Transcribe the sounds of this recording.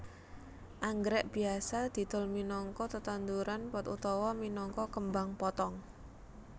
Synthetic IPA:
ʔaŋɡɾɛʔb̥i̤asad̪̥i̤d̪̥ʊ̤lminɔŋkɔt̪ət̪and̪uɾanpɔt̪ṵt̪ɔwɔminɔŋkɔkəmbaŋpɔt̪ɔŋ

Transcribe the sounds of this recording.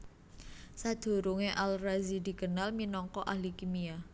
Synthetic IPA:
sad̪̥o̤ɾuŋeʔalrazidi̤kənalminɔŋkɔʔahlikimia

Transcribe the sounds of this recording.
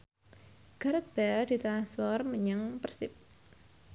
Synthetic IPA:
ɡ̥a̤ɾət̪̚b̥ad̪̥i̤t̪əɾaswɔrməɲəŋpərsɪp̚

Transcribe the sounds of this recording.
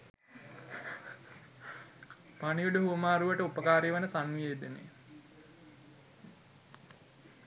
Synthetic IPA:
panijuɖəɦumaːɾuʋəʈəupəkaːɾeʋənəsanʋieːd̪enḛ

